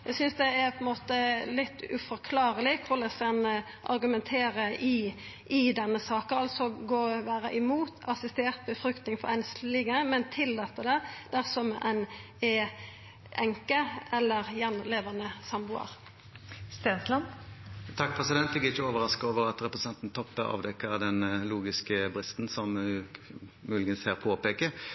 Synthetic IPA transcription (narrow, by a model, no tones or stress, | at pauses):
jæɪsʏnsd̪ɛæɾpʰɔɛnmoːt̪əlɪt̪ːʉfɔɾkʰlɑːɾəlɪkʰʊʁlɛsɛnə | ʔɑ̰ɾɡʉmɛnt̪ʰeːɾəɪ | ɪd̪ɛnːəsɑːkəɑlt̪sɔɡoːʋæːɾə̰ʔɪmuːt̪ʰɑsɪst̪eːɾt̪̚bəfɾʏkt̪nɪŋfɔɾɛnslɪːɡəmɛnt̪ʰɪlːɑːt̪ːəd̪ɛd̪̥æʁsɔmɛ̰n | ɛ | ʔɛŋkəɛlːəʁjɛnleːʋɑnəsɑmbʊɑ̰ɾ | st̪eːnslɑnt̪ʰɑk̚ːpʰʁɛsɪd̪ɛnt̪ɛɡɛɪçəoːʋəʁɑskoːʋəʁɑt̪ʁɛpɾəsɛnt̪n̩t̪ʰɔpːəɑ̰ːʋd̪ɛkːəʁd̪ɛnluːɡɪskəbʁɪst̪n̩sɔm | mʉːlɪɡənshæːʁpʰoːpeːkə